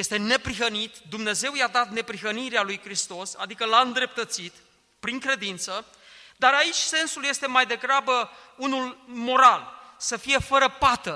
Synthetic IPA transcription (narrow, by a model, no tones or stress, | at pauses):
je̞st̪e̞ne̞pɾiɦənit̪d̪umne̞ze̞wjad̪at̪ne̞pɾiɦəniɾealujkɾist̪o̞sa̰d̪ikəlaɨnd̪ɾe̞p̚t̪ət̪sit̪ | pɾiŋkɾe̞d̪int̪sə | d̪aɾait͡ʃʲse̞nsulje̞st̪emajd̪e̞ɡɾabəunulmo̞ɾalsəfije̞fəɾəpat̪ə